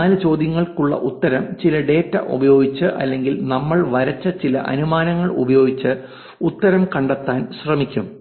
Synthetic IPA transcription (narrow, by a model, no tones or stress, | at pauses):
aːlɨt͡ɕo̞ːd̪jɐŋːɐɭkuɭːɐ̰ʔut̪ːɐɾɐmt͡ɕilɐɖe̞ːtːɐ̰ʔṵbɐjo̞ːɡit͡ɕːɨʔɐ̰lːe̞ŋɡilnɐmːɐɭʋɐɾɐt͡ɕːɐt͡ɕilɐ̰ʔɐ̰numaːnɐŋːɐɭṵbɐjo̞ːɡit͡ɕːɨ | ut̪ːɐɾɐmkɐɳɖɐt̪ːaːnɕrɐmikʲːum